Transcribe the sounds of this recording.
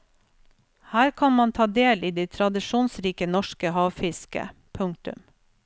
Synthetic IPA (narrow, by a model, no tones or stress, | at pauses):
hæːɾkʰɑnmɑnt̪ʰɑːd̪eːliːd̪ɛɪt̪ʰɾɑd̪ɪʃuːnsɾiːkənɔʃkəhɑːʋfɪskə̰ | pʰʉŋt̪ʉ̰m